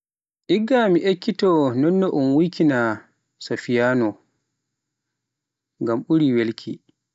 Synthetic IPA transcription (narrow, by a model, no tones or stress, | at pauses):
ʔiɡːamiʔekʰːitɔnɔnːɔʔumwikina | safijaːnɔ | ŋɡamʔuɾiwelkʰi